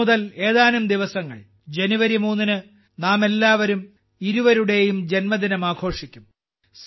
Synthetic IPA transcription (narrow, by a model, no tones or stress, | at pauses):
uðɐle̞ːðaːnumd̪iʋɐsɐŋːɐ̰ɭ | d͡ʑe̞nuʋɐɾimuːnːinɨ | naːme̞lːaːʋɐɾum | iɾuʋɐɾuɽe̞jumd͡ʑe̞nmɐd̪inɐmaːɡʰʱo̞ːʂikʲːum | s